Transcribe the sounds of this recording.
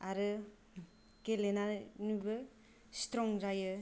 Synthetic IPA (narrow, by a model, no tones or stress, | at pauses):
aɾɯ | kelenanubɯ | stɾɔŋzajɯ